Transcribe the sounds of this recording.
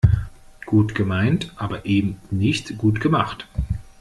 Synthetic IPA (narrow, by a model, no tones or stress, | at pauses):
ɡ̥uːtɡ̥əmaɪntʔaːbɐʔeːbm̩nɪçtɡ̥uːtɡ̥əmaχt